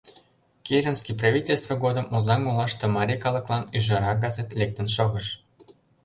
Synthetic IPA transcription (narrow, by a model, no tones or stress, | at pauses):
kʲeɾʲənskʲiprɑvʲitʲelʲst̪və̆ɡod̪əmʔozɑŋulɑʃt̪ɤ̆mɑɾʲikɑlə̆klˠɑnyʒɑɾɑɡɑzet̪lʲek̚t̪ə̆nʃoɣəʃ